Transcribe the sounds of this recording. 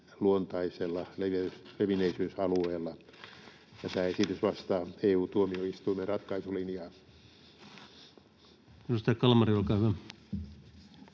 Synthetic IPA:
luont̪ɑiselːɑleʋesleʋineisyːsɑlueːlːɑ | jɑt̪æːesit̪ysʋɑst̪ɑːeːuːt̪uomioist̪uimerɑt̪kɑisolinjɑ | minust̪ɑkɑlmɑriolkɑːhyʋæ

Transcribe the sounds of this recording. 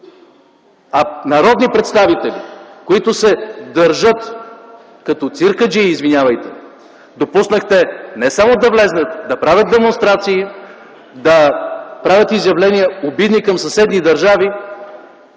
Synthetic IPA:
ɐnɐɾɔd̪nipɾɛt̪st̪avit̪ɛlʲḭkoit̪ʊsɛd̪ɐɾʒɤt̪ | kɐt̪ɔt̪siɾkəd͡ʒiːzvinʲjavɐjt̪ɛ | d̪opusnəxt̪ɛnɛsamod̪ɐvlɛznət̪d̪ɐpɾavʲət̪̚d̪ɛmonst̪ɾat̪siː | d̪ɐpɾavʲət̪izjɐvlɛnʲiəobid̪nikɐmsɐsɛd̪nid̪ɐɾʒavi

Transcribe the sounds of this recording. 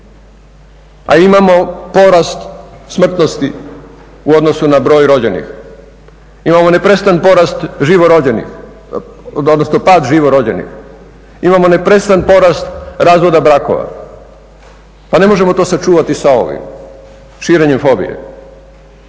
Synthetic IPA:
a̰imamo̞po̞ɾast̪smr̩t̪no̞st̪i | uod̪no̞sunabɾo̞ːjɾo̞d͡ʑe̞nḭx | imamo̞nepɾest̪anpo̞ɾast̪ʒiʋoɾoenḭ | od̪nosnopaːd̪ʒiʋoɾo̞d͡ʑḛnḭx | imamo̞ne̞pɾe̞st̪anpo̞ɾast̪ɾaːzʋo̞d̪abɾako̰ʋa̰ | pane̞mo̞ʒe̞mo̞t̪o̞ːsat͡ʃuːʋat̪isao̞̰ʋḭm | ʃiːɾe̞ɲemfo̞bḭjḛ

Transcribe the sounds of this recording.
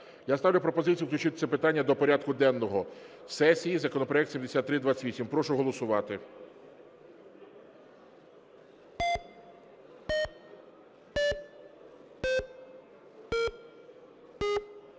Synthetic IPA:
jast̪ɑwlʲʊpɾɔpɔzɪt͡sʲijuwklʲʊt͡ʃɪt̪sɛpɪt̪ɑnʲːɐd̪ɔpɔɾʲad̪̚kʊd̪ɛnːɔɦɔ | sɛsʲijizɐkɔnɔpɾɔɛkt̪sʲimd̪esʲat̪ːɾɪd̪ʋat͡s̪ʲʋʲisʲimpɾɔʃʊɦɔlˠɔsʊʋɑt̪ɪ

